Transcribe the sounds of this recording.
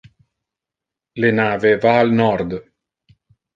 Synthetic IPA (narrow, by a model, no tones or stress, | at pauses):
lenaːvevaːlnɔɾd̪